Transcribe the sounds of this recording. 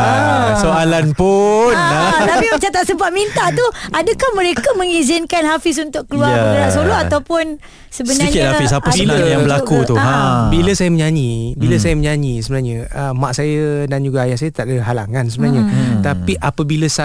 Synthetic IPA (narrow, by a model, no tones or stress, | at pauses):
soalanpunat̪apiat͡ʃat̪at̪̚səmbaʔ̪̚mint̪aʔt̪uadəkahmə̃ɾekamə̃ŋizɪnkanhafɪs̬unt̪ʊʔkəluaməəɾaʔsoloʔat̪awpʊn | səbsəəniɲkɪt̪̚afisapəsiajaŋbəlakut̪uabiləsajəməɲaɲĩbilasajəməɲaɲisəbənaɲəəmaʔsajədand͡ʒuɡaːjahsajət̪aʔdaɦalaŋansəbənaɲət̪apiʔapabiləsa